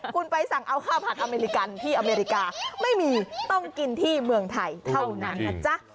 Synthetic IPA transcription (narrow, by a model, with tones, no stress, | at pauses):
kʰu˧npa˧jsa˨˩˦ŋʔa˧wkʰaː˥˩wpʰaː˨˩t̪̚ʔa˧meː˧ɾi˦˧ka˧nt̪ʰiː˥˩ʔa˧meː˧ɾi˦˧kaː˧ma˥˩jmiː˧t̪ɔ˥˩ŋki˧nt̪ʰiː˥˩mɯ˧əŋt̪ʰa˧jt̪ʰa˥˩wna˦˥nːa˧˩t͡ɕa˦˥ʔ